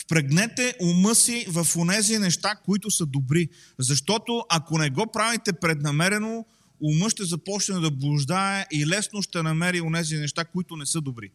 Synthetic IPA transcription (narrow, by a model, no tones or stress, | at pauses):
fpɾɛɡnɛt̪ɛʔʊmɤsivɐfonɛzinɛʃt̪akoit̪ʊsəd̪obɾi | zɐʃt̪ɔt̪oʔɐkonɛɡɔpɾavit̪ɛpɾɛd̪nɐmɛɾɛno | ʊmɤʃt̪ɛzɐpɔt͡ʃnɛɛd̪ɐblˠʊʒd̪aɛʔilɛsnoʃt̪ɛnɐmɛɾionɛzinɛʃt̪akoit̪ʊnɛsɤd̪obɾi